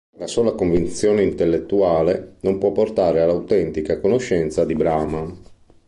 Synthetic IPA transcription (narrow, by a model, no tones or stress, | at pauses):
lasoːlakoɱvint̪sjoːneint̪elːet̪ːuaːlenompwɔpːort̪aːɾealːawt̪ɛnt̪ikakonoʃːɛnt̪sad̪ibɾaːma